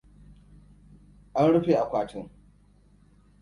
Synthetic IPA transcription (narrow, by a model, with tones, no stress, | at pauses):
ʔa˦nɽʊ˦ɸe˨ʔa˨kʷaː˨tɪ˦ŋ